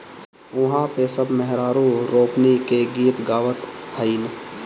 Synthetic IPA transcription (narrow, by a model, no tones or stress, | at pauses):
ʊɦãpesəbmɛɦɾaːɾũɾoːpnikeɡiːt̪ɡaːʋət̪həin